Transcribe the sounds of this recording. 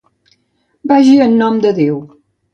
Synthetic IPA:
baʒiənːɔmd̪əðew

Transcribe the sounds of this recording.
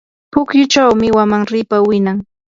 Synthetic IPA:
pʊkjʊt͡ʃawmɪwamaŋɾɪpawɪnaŋ

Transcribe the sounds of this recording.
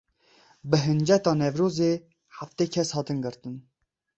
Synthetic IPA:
bəɦɨnd͡ʒɛt̪ɑnɛvɾoːze | ħaft̪ɛkʰɛshɑːt̪ɨnɡɨɾt̪ɨn

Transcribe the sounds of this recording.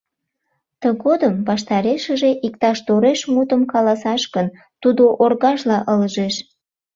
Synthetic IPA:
t̪əɣod̪əmbɑʃt̪ɑɾeʃəʒeʔik̚t̪ɑʃt̪oɾeʃmut̪əmkɑlɑsɑʃɣən | t̪ud̪oʔorɣɑʃlɑʔəlʒeʃ

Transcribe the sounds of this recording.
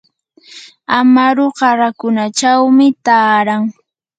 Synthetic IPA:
amaɾoɢɑɾakʊnat͡ʃawmɪt̪aːɾaŋ

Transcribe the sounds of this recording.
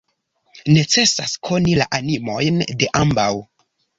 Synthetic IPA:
ne̞t͡se̞saskʰo̞nilaʔanimo̞jnde̞ʔambaw

